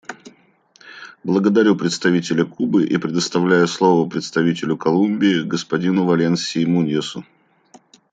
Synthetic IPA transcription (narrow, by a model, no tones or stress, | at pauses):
blˠəɡəd̪ɐɾʲupɾʲɪt̪st̪ɐvʲitʲɪlʲəkubɨʔipɾʲɪd̪əst̪ɐvlʲæjʊslˠovəpɾʲɪt̪st̪ɐvʲitʲɪlʲʊkɐlˠumʲbʲɪːɡəspɐdʲinʊvɐlʲensʲɪmunʲɪsʊ